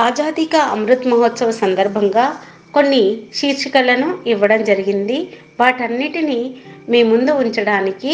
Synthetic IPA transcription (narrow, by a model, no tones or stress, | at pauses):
aːd͡ʒaːd̪ikɐɐmɾut̪mɐɦot̪sɐʋɐsɐnd̪ɐɾbʱɐŋɡaː | ko̞nːiʃiːɾʂikɐlɐnuiʋːɐɽɐmd͡ʒɐɾiɡind̪i | ʋaːʈɐnːiʈinimeːmund̪uuɲt͡ʃɐɽaːniki